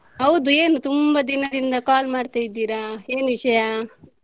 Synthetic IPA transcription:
ɐwd̪ueːnut̪umbɐd̪inɐd̪ind̪ɐkaːlmaːɽt̪aid̪iɾaeːnʋiʃɐja

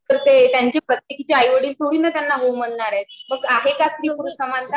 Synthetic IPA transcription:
əɾt̪et̪jaɲt͡ɕepɾət̪jekit͡ɕeajʋəɽiːlt̪ʰuɽiːnat̪janːaɦowm̤əɳɳaɾet̪̚məɡaɦekast̪ɾikuɾusəmant̪a

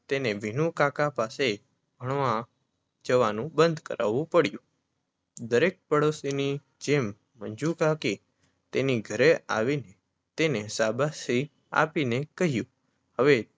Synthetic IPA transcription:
t̪eneʋinũkakapase | ɡʱəɳ̃ʋã | d͡ʒəʋanũbə̃nd̪ʱkə̰ɾʔa̰ʋũpəɽjũ | d̪əɾek̚pəɽosini | d͡ʒemː | ənd͡ʒukaki | t̪eniɡʱəɾeʔa̰ʋine | t̪enesabasi | a̰pinekəɦjũ | həʋe

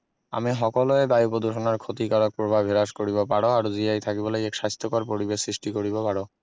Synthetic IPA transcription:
a̰miɦɔkoloed̪ajupod̪ʱoʃonaɾkʰot̪ikaɾak̚pɾobʱabʱɦeɾaʃkoɾibapaɽoaɾod͡ʑiajt̪ʰakibolejɛkʃast̪ʰːokɔɾpoɾibeʃsɾiʃʈikoɾibapaɽo

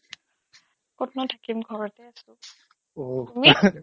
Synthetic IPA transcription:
kɔtnɔtʰakimɡʱɔɹɔtɛasʊ̃ | oumi

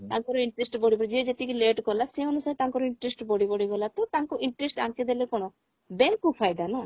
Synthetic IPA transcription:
t̪aŋkɔɾɔiɳʈɾesʈbɔɽibɔɾd͡ʒied͡ʒet̪ikileʈkɔlaseɦɔnusaɾet̪aŋkɔɾɔiɳʈɾesʈbɔɽibɔɽiɡɔlat̪ɔt̪aŋkɔʔiɳʈɾesʈaŋked̪elekɔɽ̃ɔ | bɛŋkːupʰajd̪ana

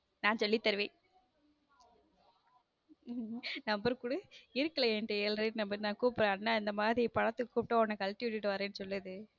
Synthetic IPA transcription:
nãːnsɔlːit̪ːɛɾɯʋẽː | nɐmbɐɾkuːɽɯɪɾɯkːɐlɐeːɳʈɯelɾinɐmbɐɾnãːkuːpɾẽːnːaːɪnd̪ɐmaːðɾipɐɻɐt̪ːɯkːɯkuːp̚ʈːõːɔnːɐkɐlʈɪʋɪʈːɪʈːɯʋɐɾẽːnːɯsɔlːɯðɯ

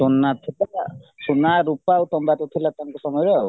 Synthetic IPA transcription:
sonːat̪ʰilasunaɾupawt̪ɔmbat̪ut̪ʰilat̪aŋkɔsɔmɔjɾɔw

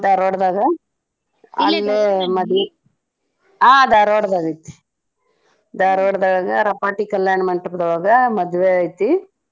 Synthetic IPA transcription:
d̪aːɾoːɽd̪aːɡɐ | alːemɐd̪e | aːd̪aːɾoɽd̪aːɡɐit̪ːi̥ | d̪aːɾoːɽd̪aːɡɐɾɐpaːʈikɐljaːɳɐmɐɳʈɐɾd̪ɐʋaːɡɐmɐd̪ʋejt̪ːi

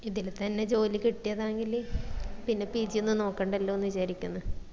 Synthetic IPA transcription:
iðilt̪ɐnːe̞d͡ʑo̞ːlikiʈːijɐðaːjeŋɡilpinːe̞piːd͡ʑijenːɨno̞ːkːeːɳɖɐlːoonːuʋiɕaːɾikʲːunːɐ

